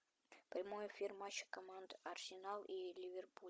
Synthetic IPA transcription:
pɾʲɪmojəfʲirmɑɕɪ̥komand̪ɐrsʲinɑlˠilʲivʲerpu

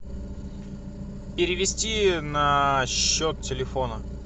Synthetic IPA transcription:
pʲɪɾʲɪvʲɪsʲtʲinɐɕːot̪̚tʲɪlʲɪfo̞nə

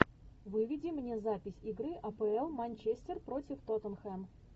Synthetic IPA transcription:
vɨvʲɪdʲɪmnʲe̞zapʲɪsʲɪɡɾɨʔɐpɛɛlˠmɐnʲt͡ɕesʲt̪ʲɪrpɾo̞tʲɪft̪ot̪ənxɛm

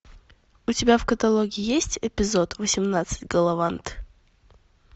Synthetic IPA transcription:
ʊtʲɪbʲafkət̪ɐlˠoɡʲɪjesʲtʲɪpʲɪzot̪vəsʲɪmnat̪sɨ̥tʲɡəlˠɐvant̪

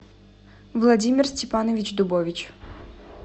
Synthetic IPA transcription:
vlˠɐdʲimʲɪrsʲtʲɛpanɔvʲit͡ʃd̪ʊbɔʋʲit͡ɕ

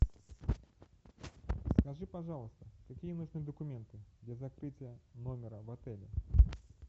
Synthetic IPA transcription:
skɐʐɨpɐʐɑlˠəst̪əkɐkʲijənuʐnɨjəd̪əkʊmʲent̪ɨd̪lʲɐzɐkɾɨtʲɪjənomʲɪɾəvɐt̪ɛlʲɪ

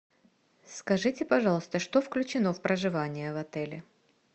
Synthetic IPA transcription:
skɐʐɨtʲɪpɐʐɑlˠst̪əʂt̪ofklʲʉt͡ɕɪno̞fpɾəʐɨvanʲɪjəvɐt̪ɛlʲɪ

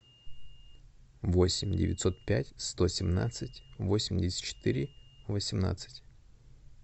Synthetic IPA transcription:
vo̞sʲɪmʲdʲɪ̰vʲɪ̰t̪ʲso̞t̪̚pʲætʲst̪o̞sʲɪmna̰t̪sɨtʲvo̞sʲɪmʲdʲɪsʲɪ̥t̪t͡ɕɪ̥t̪ɨɾʲɪvəsʲɪmna̰t̪sɨ̥tʲ

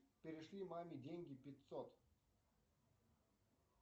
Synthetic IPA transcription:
pʲɪɾʲɪʂlʲimamʲɪdʲenʲɡʲɪpʲɪt̪sɔt̪

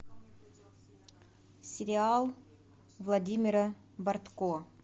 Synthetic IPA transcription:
sʲɪɾʲɪalˠ | vlˠɐdʲimʲɪɾə | bɐrt̪ko

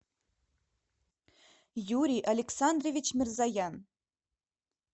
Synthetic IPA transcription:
juɾʲiʔalʲeksand̪rovʲit͡ɕmʲɪrzajan

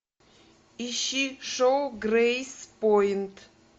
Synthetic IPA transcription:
iʃiʂowɡrejspɔjntʰ

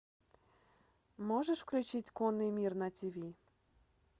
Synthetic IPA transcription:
mɔʐɛʂfklʲut͡ɕitʲkɔnːɨjmʲirnɐtʲivʲi

